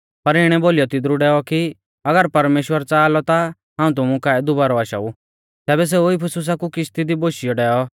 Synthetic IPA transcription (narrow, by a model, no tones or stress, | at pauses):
pɐɾɪɽ̃ɛboːlɪjɔt̪ɪd̪ɾuɖɛːɔki | ɐɡəɾpɐɾmeːʃwəɾt͡saːlɔt̪a | ɦãːũt̪ʊmũkaːɛd̪ʊbaːɾɔaʃa̰u | t̪ɛːbɛs̬euɪpʰəsʊs̬akukɪʃt̪id̪iboːʃɪjɔɖɛːɔ